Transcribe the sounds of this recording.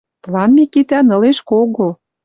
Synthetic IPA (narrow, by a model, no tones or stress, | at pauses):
plɑnmikit̪ænə̆leʃkoɣo